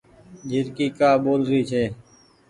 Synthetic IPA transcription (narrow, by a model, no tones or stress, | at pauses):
d͡ʒʱɪɾkiːkaːɓoːlɾiːt͡ʃʰeː